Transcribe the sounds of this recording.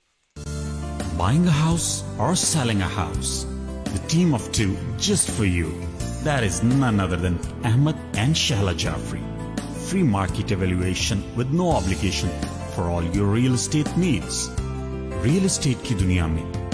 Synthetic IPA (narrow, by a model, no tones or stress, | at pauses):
baɪɪ̃ŋəɦaʊsɔɾsɛlɪ̃ŋəha̰ʊsd̪əʈĩːmɔʋʈʰuːd͡ʒʌsʈfɔɾjṵ | d̪æɾɪznʌ̃nʌd̪əɾd̪ɛ̃næɦməd̪æ̃ɳɖʃɛɦlad͡ʒa̰ːfɾḭ | fɾiːmaːɾkeʈeʋæljueːʃə̃nʋɪd̪noːaːbliɡeːʃə̃n | fɔɾɔːljɔɾɾiəlsʈeːʈniːɖs | ɾiəlɪsʈeːʈ̚kʰid̪unijaːmḭ